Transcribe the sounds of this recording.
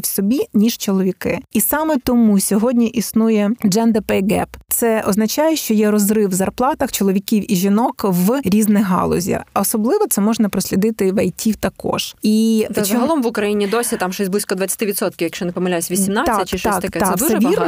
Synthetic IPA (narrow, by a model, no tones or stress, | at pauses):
wsɔbʲinʲiʒ̥t͡ʃɔlˠɔʋʲikɪisɑmɛt̪ɔmusʲɔɦɔdʲnʲiʔisnujɛd͡ʒɛnd̪ɛpɛjɡɛ̰pt̪sɛɔznɐt͡ʃɑjɛʃt͡ʃɔjɛɾɔzrɪwzɐrplˠɑt̪ɐxt͡ʃɔlˠɔʋʲikʲiwiʒʲinɔkʋɾʲiznɪɦɑ̰lˠɔ̰zʲḭɔsɔblˠɪʋɔt̪sɛmɔʒnɐpɾɔsʲlʲid̪ɪt̪ɪʋɐjtʲʰiwt̪ɐkɔ̰ʒ̥iɦɐlˠɔmʋʊkɾɐjinʲid̪ɔsʲit̪ɑmʃɔsʲblˠɪsʲkɔd̪ʋɐt͡sʲɐ̥t̪ɪʋʲɪt̪sɔt̪̚kʲɪʋjɐkʃt͡ʃɔnɪpɔmɐlʲasʲʋʲisʲimnat̪sʲːɛt͡ʃɪʃɔɑk̪t̪ɐkɛsɛʋʲir